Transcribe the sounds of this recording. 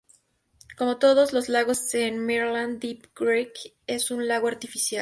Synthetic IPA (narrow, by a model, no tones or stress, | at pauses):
ko̞mo̞t̪o̞ð̞o̞zlo̞zlaɣo̞senmeɾland̪ipɡ̥ɾejk | e̞sunlaɣoaɾt̪ifisjal